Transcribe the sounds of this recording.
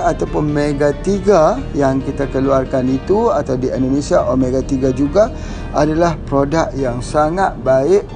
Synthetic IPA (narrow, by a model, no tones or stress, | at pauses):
at̪awpʊnmeɡat̪iɡajaŋkit̪akəluarkanit̪uat̪awdiɛndonesiaʔɔmeɡat̪iɡad͡ʒuɡa | adalahpɾodak̚jaŋsaŋat̪̚baɪʔ